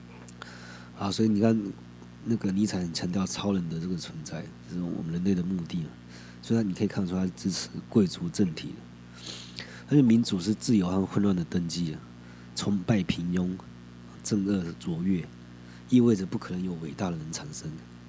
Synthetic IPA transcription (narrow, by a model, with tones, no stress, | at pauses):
hɑ˧˥ʊswɔ˧˥i˨˩ni˨˩kʰa˥˩n | na˥˩ɡə˩ni˧˥t͡sʰa˧˥ɪxə˨˩nt͡ɕʰjɑ˧˥ŋt̪jɑ˥˩ʊt͡sʰɑ˥ʊlə˧˥nd̪ə˨ʈ͡ʂə˥˩ɡə˩t͡sʰwə˧˦nt͡sa˥˩ɪo˥˧ʂɻ̩˥˩˨wɔ̰˨˩mə˦nɻə˧˥nle˥˩ɪd̪ə˩mu˥˧t̪i˥˩ə˩ | swɔ˧˥i˨a˥ni˨˩kʰkʰa˥˧nʰu˥t̪ʰa˥ʂʈ͡ʂɻ̩˥ʈ͡ʂʰɻ̩˧˥kwe˥˩ɪt͡su˧˥ʈ͡ʂə˥˩nt̪ʰḭ˨˩d̪ə̰˦ | a˧˥t͡ɕʰɛ˧˩mi˧˥nt͡su˨˩ʂɻ̩˥˧t͡sɹ̩˥˩jo˧˥ʊa˥˧xwə˥˧nlwa˥˩nd̪ə˩t̪ə˥ŋt͡ɕi˥˨ | t͡sʰʊ˧˥ŋpa˥˩ɪpʰi˧˥ŋjʊ˥ŋ˨˩ | ʈ͡ʂə˥˧ŋɤ˥˩t͡swɔ˧˥ɥɛ˥˧ | i˥˧we˥ɪd͡zə˨˩pu˥˩kʰɤ˨˩nə˧˦ŋjo˨˩ʊwe˨˩ɪt̪a˥˩d̪ə˩ɻə˧˦nt͡sʰa˨˩nʂə˦ŋ